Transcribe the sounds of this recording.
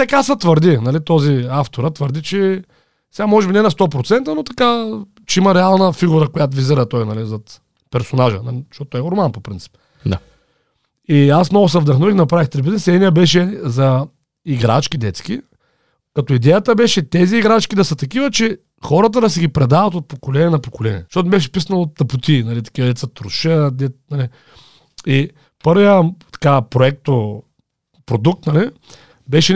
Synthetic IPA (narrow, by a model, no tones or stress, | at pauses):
t̪ɛkasət̪vəɾd̪inɐlit̪ɔziaft̪oɾət̪vəɾd̪it͡ʃɛ | sɛɡamɔʒɛbinɛnɐst̪ɔpɾot̪sɛnt̪ənot̪ɐka | t͡ʃɛimɐɾɛalˠnəfiɡuɾəkojat̪̬ʊviziɾət̪ɔjnɐlizɐt̪ | pɛɾsonaʒə̰nɐliʃt̪ɔt̪ot̪ːɔɛoɾmanpopɾint̪si̥p̪̚ | a | iasmnɔɡʊsɐvd̪ɐxnovixnɐpɾavixt̪ɾibiznɛsɛd̪nʲijəbɛʃɛzɐ | iɡɾa̰t͡ʃkʲid̪ɛt̪skʲi | kɐt̪ɔid̪ɛjət̪əbɛʃɛt̪ɛziːɡɾat͡ʃkʲid̪ɐsət̪ɐkivət͡ʃɛ | xɔɾɐt̪̬əd̪ɐs̬ɛɡʲipɾɛd̪avɐt̪ot̪̚pokolɛniɛnɐpokolɛnʲḭɛʃtɔt̪nɛbɛʃ̬ɛ̥pisənlˠot̪ːɐpʊt̪inɐlit̪ɐ̥kʲivɐd̪ɛt̪sət̪ɾuʃəd̪ɛnɐli | i | pɤɾvijət̪ɐ̥kapɾoɛk̚t̪o | pɾod̪uk̚t̪nɐli | bɛʃɛ